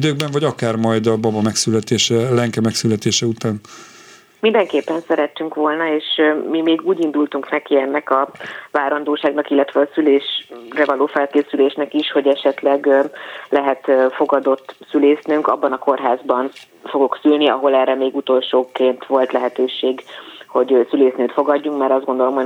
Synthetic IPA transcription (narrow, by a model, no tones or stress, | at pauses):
id̪øːɡ̚bɛɱvɒɟɒkaːrmɒjd̪ɒbɒbɒmɛksylɛt̪eːʃɛlɛŋkɛmɛksylɛt̪eːʃɛut̪aːn | mind̪ɛŋkeːpːɛnsɛɾɛt̪ːyŋkʋo̞lnɒeːʃmimeːɡuːɟind̪ult̪uŋknɛkiɛnːɛkɒvaːɾɒnd̪oːʃaːɡnɒkilːɛt̪ʋɛɒsyleːʃrɛvɒloːfɛlkeːsyleːʃnɛkiʃho̞ɟɛʃɛt̪lɛɡlɛɦɛt̪fo̞ɡɒd̪o̞t̪ːsyleːsnyŋkɒ̰bːɒnɒko̞rɦaːzbɒn | fo̞ɡo̞ksylniɒ̰ɦo̞lɛrːɛmeːɡut̪o̞lʃoːkeːnt̪ʋo̞lt̪lɛɦɛt̪øːʃeːɡho̞ɟsyleːsnyt̪fo̞ɡɒɟːuŋkmɛɾɒzdɡo̞nd̪o̞lo̞mɦo